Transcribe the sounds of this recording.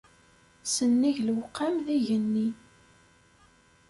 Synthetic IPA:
sənːiʝlwqːamðiʝənːi

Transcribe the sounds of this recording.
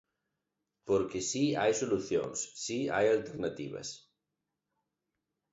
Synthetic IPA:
poɾkesiajsoluθjo̰ŋsːia̰jalt̪eɾnat̪ḭβ̞ɐ̰s

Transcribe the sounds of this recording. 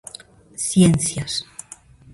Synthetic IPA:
sjenθjas

